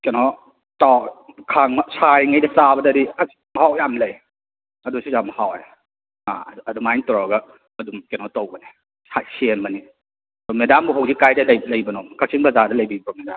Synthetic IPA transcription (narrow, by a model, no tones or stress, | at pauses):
kenɔ | tawkʰaŋɐsajŋɐjdɐt͡sabɐdɐɾiɐ | mɐɦawjamlɐj | ɐdusizamɐhawe | a̰ɐdumajntɔɾaɡɐ | ɐdumkenɔtowbɐni | sasembɐni | dɔmedambuɦowzikajdɐlɐjlɐjbɐnɔkʰak̚sʰiŋpʰazadɐlɐjbibɾɔmedam